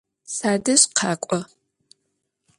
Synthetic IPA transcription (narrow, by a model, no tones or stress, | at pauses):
saːdɐɕqʰɑːkʷʼɔ